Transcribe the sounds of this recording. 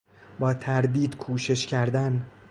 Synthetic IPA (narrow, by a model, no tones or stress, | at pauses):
bɒːt̪ʰæɾd̪iːd̪kʰuːʃe̞ʃcʰæɾd̪æn